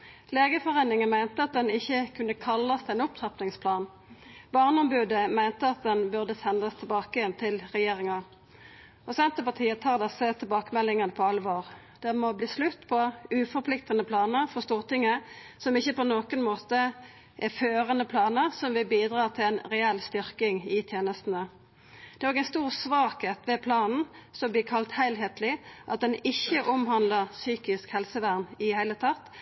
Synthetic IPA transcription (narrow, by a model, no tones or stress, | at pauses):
leːɡəfɔʁeːnɪŋənmæɪnt̪əɑt̪̚d̪ɛnɪçːəkʰʉnːəkʰɑlːɑsd̪ɛnʊp̚t̪ʰʁɑpnɪŋspʰlɑːn | bɑːʁnəɔmbʉːd̪əmæɪnt̪əɑt̪̚d̪ɛnbʉʁd̪əsɛnd̪ɑst̪ʰɪlbɑːkəjɛnt̪ʰɪlʁɛjeːʁɪŋɑ | ɔsɛnt̪əpɑt̪ʰiːət̪ʰɑːʁd̪ɛsət̪ʰɛlbɑːkəmɛlːɪŋɑnəpʰɔɑlʋoːʁ | d̪̥ɛmɔbliːslʉt̪ːpʰɔʉfɔpʰlɪkt̪ənəpʰlɑːnəʁfɔst̪uːʁt̪ɪŋːəsɔmɪçːəpɔnoːkənmoːt̪ə | ʔɛføːʁənəpʰlɑːnəʁsɔmʋɪbiːd̪ʁɑːʁt̪ʰɪlæɪnʁɛɛlst̪ʏɾkɪŋɪt̪ʰjeːnəst̪n̩ə | d̪̥ɛʁɾoːɡæɪnst̪uːʁsʋɑːkheːt̪ʋɛpʰlɑːnn̩ | sɔmblɪːkʰɑlt̪hæɪlɦeːt̪lɪʔɑt̪̚d̪ɛnɪçːəʔʊmɦɑnd̪ləʁsyːkɪskhɛlsəʋæʁnɪhæɪlət̪ʰɑt̪ː